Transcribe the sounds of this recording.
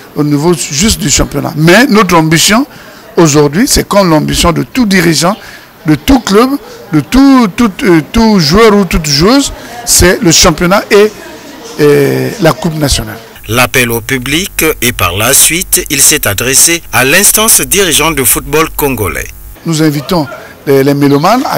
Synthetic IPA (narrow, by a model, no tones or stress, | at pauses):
onivoʒyst̪̚d̪yʃɑ̃pjɔna̰mɛnot̪χɑ̃bisjɔ̃ | oʒuʁd̪ɥisɛkɔmlɑ̃bisjɔ̃d̪ət̪ud̪iʁiʒɑ̃ | d̪ət̪uklœb | d̪ət̪ut̪ut̪t̪uʒuœʁut̪ut̪ʒuøzsɛləʃɑ̃pjɔnaʔe | lakupnasjɔna̰l | lapɛlopyblikepa̰ʁlasɥit̪ilsɛt̪ad̪ʁesealɛ̃st̪ɑ̃sd̪iʁiʒɑ̃d̪əfut̪̚bɔlkɔ̃ɡolɛ̰ | nuzɛ̃vit̪ɔ̃ | lɛlɛmelomala̰